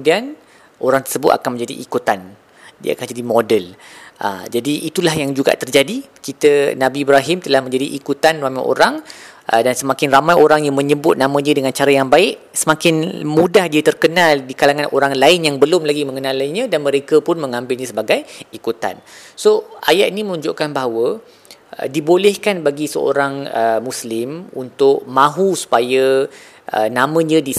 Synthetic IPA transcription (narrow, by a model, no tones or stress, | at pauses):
əudian | ʔoɾaŋt̪ərsəbʊt̪a̰kanmə̃ɲd͡ʒadḭʔikut̪an | dia̰a̰kanməd͡ʒadimodəlʔə̰d͡ʒadiʔit̪ulahjaŋd͡ʒuɡa̰ʔt̪ərd͡ʒadikit̪ənãbiːbɾaɦɪmt̪əlahmə̃ɲd͡ʒadiʔikut̪anramajʔo̰ɾaŋʔə̰dansəmakɪnramajoɾaŋjaŋmə̃ɲəbʊt̪̚nãmãdiədəŋãnt͡ʃaɾajaŋbaɪʔ | səmakɪnmudahdiət̪ərkənaldikalaŋãnoɾaŋlaɪnjaŋbəlʊmlaɡimə̃ŋənãlaɲə̃danməɾekəpʊnmə̃ŋãmbɪlɲə̃səbaɡajikut̪a̰nsoa̰jaʔ̪inimənuɲd͡ʒʊʔkanbaɦawə̰ | dibolɛhkanbaɡisə̰o̰ɾaŋəmuslɪmunt̪ʊʔ̚mãɦusu̥pajə | ə̰nãmə̃ɲə̃di